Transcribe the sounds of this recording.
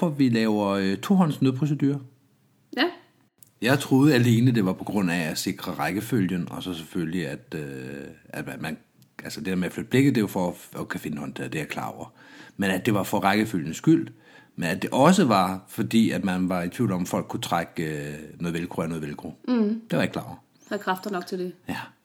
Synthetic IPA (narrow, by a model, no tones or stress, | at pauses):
ɒʋilɛʊɐøt͡sʰo̝ɦɒ̽n̰snøðˠpʰʁos̬ed̥y̰ːɐ | jɑ̈ɪt͡sʰʁo̝ːð̞̩ˠəæle̝ːnəd̥e̝ʋɑ̈pʰɒ̽ɡ̥ʁɔ̽n̰æ̥ːse̝ɡ̥ʁɐʁaɡ̥əføljənɒ̽sɒ̽sefølliæd̥øæd̥mæmæn | ʔælsəd̥e̝d̥eɐmeæflød̥̚b̥le̝ɡ̥ðˠd̥e̝ʋɑfɒ̽ɒkʰæfe̝nəhɒ̽nt͡sʰe̝̰ɐ̰d̥ejakʰlɑ̰̈ːɒʊ̰ɐ | menæd̥e̝ʋɑ̈fɒ̽ʁɑɪɡ̥əføljənsɡ̥yl̰ | menæd̥e̝ʔɒ̽səʋɑ̈fɒ̽d̥ḭːæd̥mænʋɑ̈it͡sʰḭʊ̰lɒ̽mfɒ̽l̰ɡ̥kʰːut͡sʰʁaɡ̥øno̽ːð̞̩ˠelkʰʁuænoːðˠʋelkʰʁud̥e̝ʋɑ̈eɡ̥̚kʰlɑ̰̈ːɐ | hæðˠkʰʁafd̥ɐnɒ̽ɡ̥̚t͡sʰeld̥e̝jæ